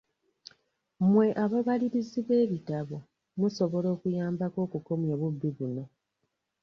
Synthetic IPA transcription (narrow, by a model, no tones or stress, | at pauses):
mwe̞ʔaβaβaliɾiziβe̞ːβitaβo̞ | muso̞βo̞lo̞ːkujaːmbako̞ːkuko̞mjaβubːiβuno̞